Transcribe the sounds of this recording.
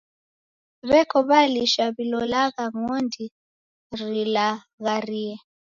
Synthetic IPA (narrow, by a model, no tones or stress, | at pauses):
βɛkʰɔβaliʃaβilɔlaɣaŋɔndi | rila | ɣariɛ